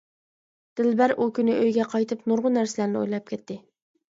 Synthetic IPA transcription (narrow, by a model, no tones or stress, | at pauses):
d̪̥ɪlbæɾʔukʲynɪʔøjɡʲɛqʰɑjt̪ʰɨpnuɾʁʊnæɾsɪlæɾnɪo̰jlˠɑp̚kʲʰɛt̪ːɪ